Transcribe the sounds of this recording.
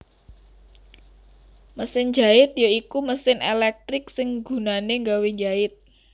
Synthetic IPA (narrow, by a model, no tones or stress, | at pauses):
məsɪnd͡ʒaɪt̪̚joikuməsɪnelɛk̚t̪ɾɪksɪŋɡṳnaneŋɡawed͡ʒaɪt̪̚